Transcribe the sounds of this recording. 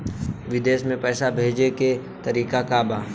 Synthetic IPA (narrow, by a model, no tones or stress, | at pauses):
ʋɪd̪eːʃmẽpɛːsabʱeːd͡ʒeke | t̪ɐɾiːkakabaː